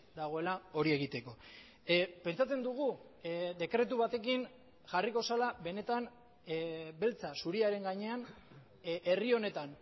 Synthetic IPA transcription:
d̪aɣ̞o̞e̞lao̞ɾie̞ɣ̞it̪e̞ko̞ | pe̞nt͡sat͡se̞nd̪uɣ̞ud̪e̞kɾe̞t̪uβat̪e̞kin | ʝariko̞salaβe̞ne̞t̪an | be̞lt͡sasuɾiaɾe̞ŋɡaɲe̞an | ʔe̞rio̞ne̞t̪an

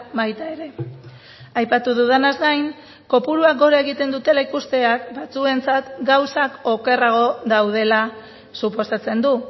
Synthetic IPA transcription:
bajt̪ae̞ɾe̞ | ajpat̪uð̞uðanazɡajŋ | ko̞puɾuak̚ɡo̞ɾaeɣit̪e̞nd̪ut̪e̞laikust̪e̞akbat͡sue̞nt͡sat̪ɡawsako̞ke̞raɣ̞o̞ðawð̞e̞la | supo̞sat͡se̞nd̪u

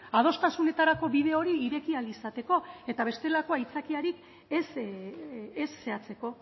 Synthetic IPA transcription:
að̞o̞st̪asune̞t̪aɾako̞βið̞e̞o̞ɾiːɾe̞kialisat̪e̞ko̞e̞t̪aβ̞e̞st̪e̞lako̞ajt͡sakiaɾik | es | esːe̞at͡se̞ko̞

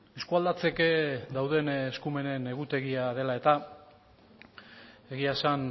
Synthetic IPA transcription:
eskuald̪at͡se̞ked̪awðe̞nːskume̞ne̞ne̞ɣut̪e̞ɣiað̞e̞lae̞t̪a | e̞ɣiasan

